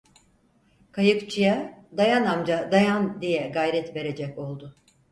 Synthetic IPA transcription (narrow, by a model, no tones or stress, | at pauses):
kʰajɯkt͡ʃʰɯjad̪ajanamd͡ʒad̪ajand̪ijɛɡajɾɛt̪ve̞ɾe̞d͡ʒɛko̞lˠd̪ʊ